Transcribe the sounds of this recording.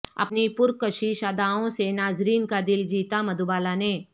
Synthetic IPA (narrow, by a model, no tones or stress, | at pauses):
ɐ̰pnipʊɾkəʃiʃaːd̪aːõsenaːzɾiːnkad̪ɪld͡ʒiːt̪amɐd̪ubaːlane